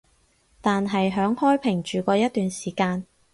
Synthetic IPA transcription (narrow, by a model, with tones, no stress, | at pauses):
t̪aː˨nɦɐ˨jɦœː˨˥ŋhɔː˥jpʰɪ˨˩ŋt͡ʃyː˨kʷɔː˧jɐ˥t̪̚yː˨nsiː˨˩kaː˧n